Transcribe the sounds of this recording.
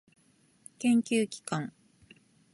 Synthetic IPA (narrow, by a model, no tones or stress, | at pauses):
kẽ̞ŋkʲɨːkʲi̥kãŋ